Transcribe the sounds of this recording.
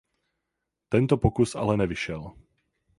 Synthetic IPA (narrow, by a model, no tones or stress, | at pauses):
t̪ɛnt̪ɔpɔkusa̰lɛnɛʋiʃɪɛl